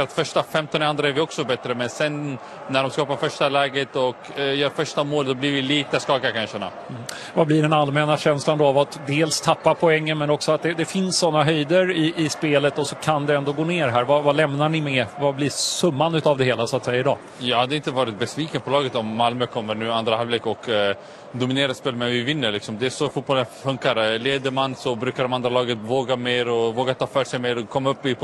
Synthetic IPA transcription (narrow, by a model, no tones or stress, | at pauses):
at̪fœʂʈafɛmt̪ɔnand̪ɾaɛɾvɪɔksɔbɛt̪ɾəmɛnsɛnː | æɖɔmskɑːpaɾfœʂʈalɛːɡət̪ɔkjœːɾfœʂʈamoːld̪ɔblɪɾvɪliːt̪əskɑːkakʰanʂɛna̰ | m | vablɪɖɛnalmɛnaɕɛnsland̪ɔavat̪d̪eːlst̪ʰapːapʰɔɛŋːənmɛnɔksɔat̪̚d̪ɛd̪ɛfɪnsːɔnːaɦœjd̪əɾɪʔɪspeːlət̪ɔsɔkʰand̪ɛɛnd̪oːɡoːneːɾɦæːɾvavalɛmnaɳɪmɛvablɪsɵmːanʉ̟ːt̪avd̪ɛheːlasʊat̪sɛjːaɪd̪ɑː | jɑːhad̪ːɛɪnt̪əvɑːɾɪt̪̚bɛsviːkənpʰɔlɑːɡət̪ɔmːalmøkʰɔmːəɾɳʉ̟ːand̪ɾahalveːkɔk | d̪ʊmɪneːɾaspeːlmɛvɪvɪnːəɾlɪksɔmd̪ɛæʂɔfuːt̪̚bɔlːənfɵŋkaɾleːd̪əɾmansɔbɾʉ̟ːkaɖɔmand̪ɾalɑːɡənvoːɡameːɾɔvoːɡat̪ʰɑːfœːʂɛjmeːɾɔkʰːɔmːaɵpːɪp